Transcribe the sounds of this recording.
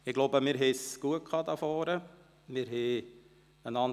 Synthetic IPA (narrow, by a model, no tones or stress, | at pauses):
ɪɡ̥loːbəmɪːɾɦɛsɡ̥uəkʰɑːd̪ɑfɔːɾə | mɪɾɦɛ | ənɑn